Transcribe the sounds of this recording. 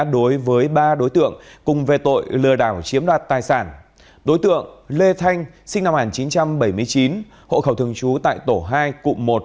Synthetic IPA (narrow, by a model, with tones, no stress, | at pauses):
ɗo˨˦jvəː˨˦jɓaː˧ɗo˨˦jt̪ɨ̰˧˨əŋkʊ˨˩ŋ͡mve˨˩t̪o̰˧˨jlɨ˨˩əɗaː˧˩wt͡ɕi˨˦əmɗwaː˨˩t̚t̪aː˨˩jsaː˧˩n | ɗo˨˦jt̪ɨ̰˧˨əŋle˧t̪ʰa˧jŋ̟ | sï˧ŋ̟na˧mhŋaː˨˩nt͡ɕi˨˦nt͡ɕa˧mɓə˧˩jmɨ˧əjt͡ɕi˨˦n | ho̰˧˨xə˧˩wt̪ʰɨ˨˩əŋt͡ɕu˨˦t̪a̰ː˧˨jt̪o˧˩ɦaː˧jkṵ˧˨mo˨˩t̚